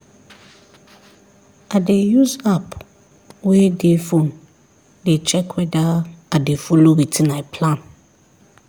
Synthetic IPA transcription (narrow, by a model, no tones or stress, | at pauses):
adejusap | wedefon | det͡ʃʰɛkʰwɛdaadefolowitʰĩnãɛpʰlãn